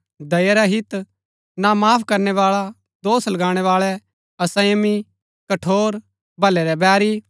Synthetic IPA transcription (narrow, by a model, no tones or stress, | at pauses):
d̪ɐjaɾaɦɪt̪ | namaːpʰkɐɾnɛʋaːɭa | d̪oːslɐɡãːɽ̃ɛʋaːɭɛ | ɐsɐjmi | kɐʈʰoːɾ | bʱɐlɛɾɛbɛːɾi